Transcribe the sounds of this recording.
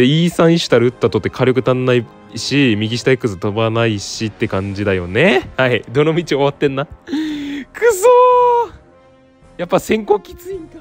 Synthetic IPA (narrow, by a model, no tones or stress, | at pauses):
eiːsãɰ̃iɕɨ̥t̪aɾɯɯ̟t̪ːat̪ot̪ːekʰaɾʲjo̞k̬ɯ̟t̪ãnːai | ɕimʲiɡʲiɕi̥t̪aikːɯ̟sɨt̪obanaiɕit̪ːe̞kãɲ̟d͡ʑid̪ajo̞ne̞haid̪o̞no̞mʲit͡ɕio̞βat̪ːẽ̞nːa | kʰɯsoː | japːasẽ̞ŋkoːkʲi̥t͡sɨika